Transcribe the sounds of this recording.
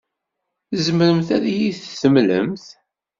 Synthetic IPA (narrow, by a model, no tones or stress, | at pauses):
θzəməɾəmθæɾijiθːəmlə̰mθ